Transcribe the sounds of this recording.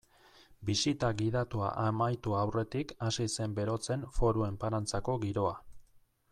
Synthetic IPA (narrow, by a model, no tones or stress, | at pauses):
bisit̪aɣið̞at̪ua̰ʔamajt̪uawre̞t̪ikasise̞mbe̞ɾo̞t͡se̞nfo̞ɾue̞mpaɾant͡sako̞ɣiɾo̞a